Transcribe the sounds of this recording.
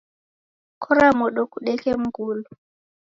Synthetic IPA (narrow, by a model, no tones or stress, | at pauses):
kʰɔɾamɔɗɔkuɗɛkɛm̩ɡuːlɔ